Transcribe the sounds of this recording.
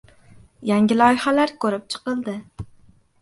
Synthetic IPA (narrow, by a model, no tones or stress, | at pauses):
jæŋɡʲilˠɒjχælæɾkʲʰɵɾɪp̚t͡ʃʰə̥qəlˠd̪ɪ